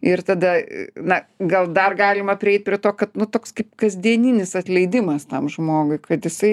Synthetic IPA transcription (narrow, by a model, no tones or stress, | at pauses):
ɪrt̪ɐd̪ɐnɐɡɐlˠd̪ɐrɡɑːlʲɪmɐpʲɾʲɪɛɪt̪̚ʲpʲɾʲiɛt̪oːkɐt̪nʊt̪oːkskɐɪpkɐzʲd̪ʲiɛnʲinʲɪsɐt̪ʲlʲɛɪd̪ʲɪmɐst̪ɐmʒmoːɡʊɪkɐt̪jɪsɐɪ